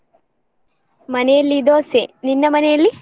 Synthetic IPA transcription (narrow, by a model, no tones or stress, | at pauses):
mɐnɛjɐlːid̪oːseninːɐmɐnɛjɐlːi